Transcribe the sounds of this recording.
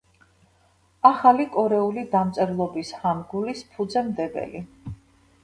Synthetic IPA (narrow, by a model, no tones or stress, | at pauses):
aχalikʼɔɾɛulid̪amt̪sʼɛɾlˠɔbishamɡulispʰud̪zɛmd̪ɛbɛ̰li